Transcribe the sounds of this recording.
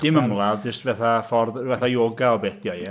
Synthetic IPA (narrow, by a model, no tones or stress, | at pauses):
d̥ɪməmlˠaðd͡ʒəstvɛθafɔrðvɛθajoːɡaɔbeːθd̥ja